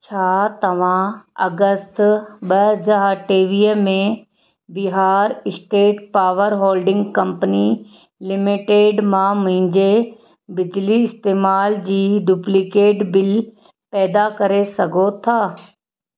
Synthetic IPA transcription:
t͡ɕʰaːt̪ɐʋ̤ãɐ̰ɡəst̪ɓɐɦəzaːʈeːʋiːɦmẽ | bɪɦaːɾɪsʈeːʈpaːʋəɾɦoːlɖɪ̃ŋɡkɐ̃mpəni | lɪmɪʈeːɖmãmʊ̃ɦɪ̃ɲd͡ʑe | bɪd͡ʑliɪst̪eːmaːld͡ʑiːɖuplɪkeːʈbɪl | pɛːd̪akɐɾesɐɡʱot̪ʰaː

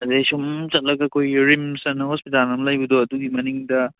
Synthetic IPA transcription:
ɐdesumt͡ʃɐt̚lɐɡɐkʰojɾimsɐnːɐhospitalnɐmlɐjbudoɐduɡimɐniŋdɐ

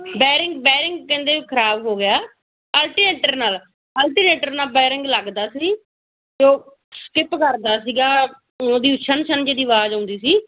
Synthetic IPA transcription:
bɛːɾɪŋɡbɛːɾɪŋɡkɛ̃ːnd̪eːʋiːkʰəɾaːbɦoːɡɪjaː | əlʈiːneːʈəɾnaːl | əlʈiːneːʈəɾnaːlbɛːɾɪŋɡləɡd̪aːsiː | d͡ʒoː | skɪpkəɾd̪aːsiːɡaː | oːd̪iːʊʃʰənʃʰənd͡ʒeːd̪iːʋaːd͡ʒaːʊ̃nd̪iːsiː

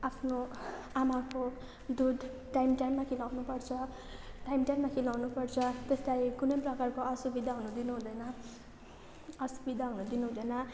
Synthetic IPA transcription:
apʰno | amako | d̪ud̪ʱ | ʈajmʈajmːakʰilawnupʌrt͡sʰʌ | ʈajmʈajmːakʰilawnupʌrt͡sʰʌt̪est̪ajkunʌjprʌkarkoʌsubid̪ʱaɦunud̪inuɦũd̪ʌjnʌ | ʌsubid̪ʱaɦunud̪inuɦũd̪ʌjnʌ

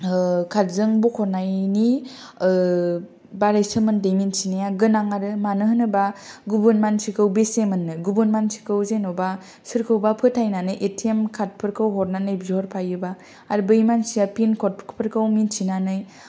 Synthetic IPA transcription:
kʰatzɯŋbukʰɔɾnajni | baɾajsɯmɯndejminsinajaɡɯnaŋaɾɯmanɯɦɯnɯbaɡubɯnmansʰikʰɯwbesemɯnːɯɡubɯnmansʰi̥kʰɯwzenɔba | sɯɾkʰɯwbapʰɯtʰajnanɯjʔetʰiemkʰat̚pʰɯɾkʰɯwɦɔɾnanɯjbzɦɔɾpʰajɯbaː | ɾbɯjmansijapinkʰɔt̚pʰkʰpʰɯɾkʰɯwminsʰinanɯj

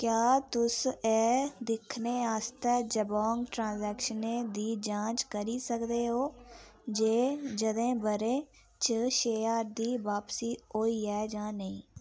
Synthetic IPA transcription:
kjaːt̪ʊseːd̪ɪkʰneːaːst̪ɛːd͡ʒəbɔːŋɡʈɾãːnzɛːkʃəneːd̪iːd͡ʒãːt͡ʃkəɾiːsəkd̪eːɦoːd͡ʒeːd͡ʒəd̪ẽːbəɾẽː | t͡ʃəʃeːaːɾd̪iːʋaːpsiːoːiːɛːd͡ʒãːnəĩː

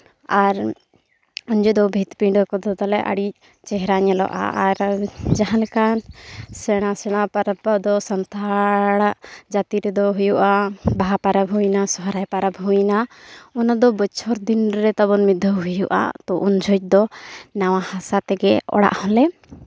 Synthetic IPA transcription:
aɾ | uɲd͡ʒɛd̪ɔbʱit̪piɖɔkɔd̪ɔt̪ɔlɛʔa̰ɽic̚ | t͡ʃɛɦɾaɲɛlɔ̰ʔa̰aɾd͡ʒaɦãlkansɛɽ̃asɛɽ̃apaɾpɔd̪ɔsɔnt̪ʰaɽaʔd͡ʒat̪iɾɛd̪ɔɦujuʔabaɦapaɾabʱuinasɔɦɾajpaɾabʱuinaunad̪ɔbət͡ʃʰɔɾd̪inɾɛt̪ɔbɔnmid̪ʱːəɦujuʔa̰t̪ɔʔund͡ʒʱɔc̚ˀd̪ɔnawahasat̪ɛɡɛɔ̰ɽa̰ʔhɔ̃lɛ

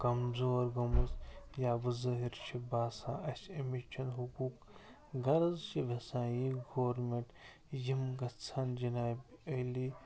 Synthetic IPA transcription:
kɐmzoːɾɡɐmɐzjaːbɨzɐɦiɾt͡ʃʰibaːsã̰ːɐsemit͡ʃʰɐnɦukuːk | ɡɐɾɐzt͡ʃiʋɐsãːjiɡoːɾmeɳʈ | jimɡɐt͡sʰand͡ʒinaːbeli

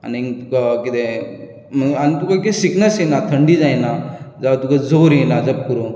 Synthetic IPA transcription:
a̰nit̪ukakit̪e | məanit̪ukaik̪esiknəsjenat̪ʰəɳɖid͡zajnad͡zaʋat̪ukad͡zoɾjenad͡zəp̚kuɾo

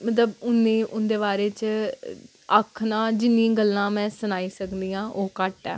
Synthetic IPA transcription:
mət̪̬ləbʊnːẽːʔʊnd̪eːbaːɾeːt͡ʃ | əkʰnãːd͡ʒɪnːĩɡəlːãːmɛ̃ːsənaːiːsəkd̪iːãːʔoːkəʈɛ̰ː

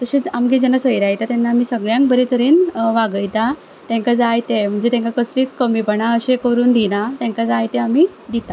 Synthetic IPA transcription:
t̪əɕet͡samɡed͡ʑənasəjɾajt̪at̪ɛnːamiːsəɡɭjãŋk̚bəɾet̪ʰəɾiːnʋaɡəjt̪a | t̪ɛ̃ŋkad͡zajt̪em̤əɳd͡zet̪ɛ̃ŋkakəsliːt͡skəmipəɳaəɕekəɾuːnd̪ʱinat̪ɛ̃ŋkad͡zajt̪eami | d̪it̪a

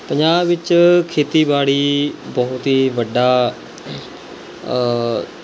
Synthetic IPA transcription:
pəɲd͡ʒaːbʋɪt͡ʃkʰeːt̪iːbaːɽiːbɔːʊt̪ɦiːʋəɖaː

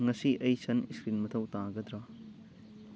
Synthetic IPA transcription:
ŋɐsiʔɐjsɐniskɾinmɐt̪ʰɐwtaɡɐd̪ɾɐ

